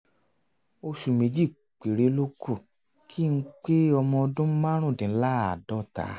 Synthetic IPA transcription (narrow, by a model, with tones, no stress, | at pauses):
o˧ʃu˧˨mẽ˧˦d͡ʒi˦˨ | k͡pe˨ɾe˨˦lo˦ku˦˨ | kʰi˦˧˦k͡pe˦ɔ˧mɔ̃˧ɔ˧dũ˦mã˦ɾ̃ũ˦˨dĩ˨n̩˦la˦a˨dɔ˦˨ta̰˨˦